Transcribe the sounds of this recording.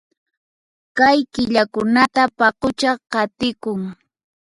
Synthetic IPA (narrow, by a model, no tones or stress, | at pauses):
kajkɪʎakʊnat̪apɑqʊt͡ʃɑqɑt̪ɪkʊŋ